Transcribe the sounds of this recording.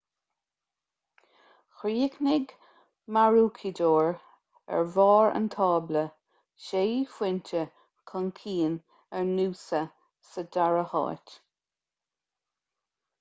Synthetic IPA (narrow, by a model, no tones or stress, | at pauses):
xɾiːknɪɡ | maɹuːkʰidoːɹ | ɛ̰ɹvɑːɹə̰nt̪ʰɑːblə | ʃeːfwɪntə | kʰənkʰiːn | ɛɹnuːsə | sədaɹəhɑ̰ːt